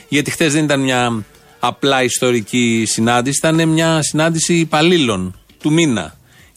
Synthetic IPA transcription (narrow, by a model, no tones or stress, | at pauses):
ʝɐt̪ixt̪e̞zðe̞nit̪ɐnmɲɐː | plɐist̪o̞ɾicisinɐnd̪isi̥θɐnemɲɐsinɐnd̪isiːpɐlilo̞n | t̪uminɐ̰